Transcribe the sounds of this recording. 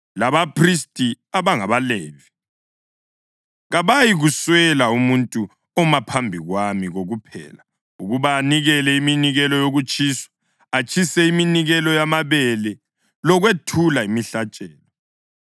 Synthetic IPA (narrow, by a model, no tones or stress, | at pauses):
laβapʰristʼi | aβaŋaβalɛːvi | ɣaβajiɣuswɛlaumuntʼu | ɔmapʰambʱiɣwamiɣoɣupʰɛ̰ːla | uɣuβaːniɣɛlɛiminiɣɛlɔjoɣut͡ʃʼiːswḁ | at͡ʃʰʼisɛiminiɣɛlɔjamaβɛlɛ | lɔɣwetʰulaimiɬat͡ʃʼɛːlɔ